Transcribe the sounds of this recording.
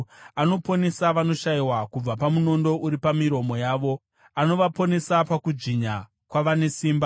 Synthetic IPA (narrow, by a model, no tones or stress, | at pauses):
ano̞po̞ne̞saʋano̞ʃaiwakub͡vapamuno̞ndo̞ʔuɾipamiɾo̞mo̞jaːʋo̞ | ano̞ʋapone̞sapakud͡ʒiɲa | kwaʋane̞siːmba